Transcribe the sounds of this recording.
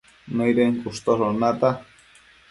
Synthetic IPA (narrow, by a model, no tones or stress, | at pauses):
nejɾeŋkust̪oɾonat̪a